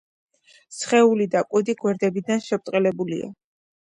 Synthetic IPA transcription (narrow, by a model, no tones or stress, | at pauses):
sχɛulid̪akʼud̪iɡwɛɾd̪ɛbid̪anʃɛp̚t̪ʼqʼɛlɛbulḭa̰